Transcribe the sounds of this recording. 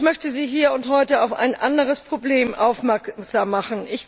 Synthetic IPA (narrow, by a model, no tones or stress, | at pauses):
mœçtəziːɦiːɐʊnthɔʏtəaʊfa̰ɪnʔandəʁ̞əspʁ̥obleːmʔaʊfmɛɐkz̥aːmːaχn̩ʔɪç